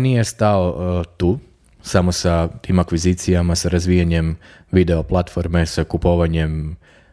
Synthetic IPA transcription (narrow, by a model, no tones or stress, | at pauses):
nije̞st̪aot̪uː | samosat̪iːmakʋiziːt̪sijamasaɾazʋiːjaɲem | ʋid̪e̞oplˠat̪fo̞ɾme̞sakupoʋaɲe̞m